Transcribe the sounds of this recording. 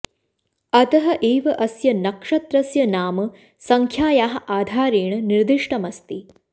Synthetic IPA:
ɐt̪ɐɦɐʔeːʋɐʔɐsjɐnɐkʂɐt̪ɾɐsjɐnaːmɐ | sɐŋkʰjaːjaːɦɐ̆ʔaːd̪ʱaːɾeːɳɐniɾd̪iʂʈɐmɐst̪i

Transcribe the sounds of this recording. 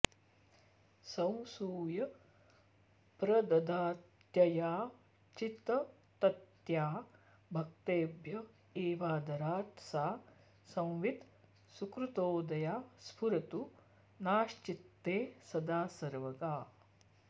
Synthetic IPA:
sɐ̃w̃suːjɐ | pɾɐd̪ɐd̪aːt̪jɐjaː | t͡ʃit̪ɐ | t̪ɐt̪jaː | bʱɐk̚t̪eːbʱjɐ | eːʋaːd̪ɐɾaːt̪saː | sɐ̃w̃ʋit̪ | sukɾut̪oːd̪ɐjaːspʰuɾɐt̪u | naːʃt͡ʃit̪ːeːsɐd̪aːsɐɾʋɐɡaː

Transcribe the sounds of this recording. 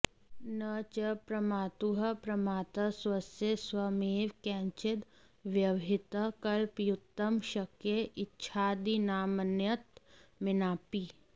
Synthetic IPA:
nɐt͡ʃɐpɾɐmaːt̪uɦɐpɾɐmaːt̪ɐswɐsjeswɐmeːʋkɛ̃ːɲt͡ʃɪt̪ | ʋjɐʋʱɪt̪əkɐlpjut̪ːəmʃɐkjeʔɪtːʃʰaːd̪inaːmənjət̪mɪnaːpi

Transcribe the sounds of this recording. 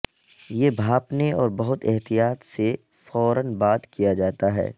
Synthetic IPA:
jebʱaːpneɔːɾbɐɦʊt̪ɛɦt̪ijaːt̪se | fɔːɾənbaːt̪kijad͡ʒaːt̪aɦɛ̰ː

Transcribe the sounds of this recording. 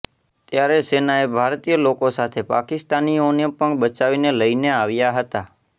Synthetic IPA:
t̪jaɾesenaebʱaɾt̪ijəlokosat̪ʰepakɪst̪anionepəɳbət͡ʃaʋineləineaʋjaɦət̪a

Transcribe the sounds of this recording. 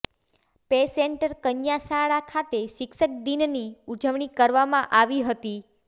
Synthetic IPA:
peseɳʈəɾkənjasaɭakʰat̪eʃɪkʃək̚d̪inniud͡ʒəʋɳ̃ikəɾʋamãʔaʋiɦət̪i

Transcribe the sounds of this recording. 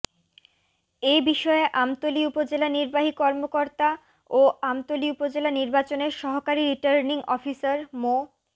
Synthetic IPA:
ebiʃɔeʔamt̪oliupod͡ʑelaniɾbaɦikɔɾmokoɾt̪a | oamt̪oliupod͡ʑelaniɾbat͡ɕoneɾʃɔɦokaɾiɾiʈaɾniŋɔfisaɾmo

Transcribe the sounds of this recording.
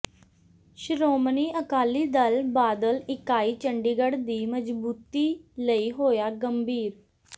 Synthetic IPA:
ʃɾoːmniːʔəkaːliːd̪əlbaːd̪əlɪkaːiːt͡ʃəɳɖiːɡəɽd̪iːməd͡ʒbuːt̪iːləiːɦoːjaːɡəmbʱiːɾ

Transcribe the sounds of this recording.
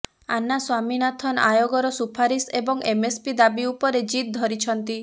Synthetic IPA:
anaswaminat̪ʰɔna̰joɡɔɾɔsupʰaɾisebɔŋʔemespid̪abiupɔɾed͡ʒit̪̚d̪ʱɔɾit͡ʃʰɔnt̪i

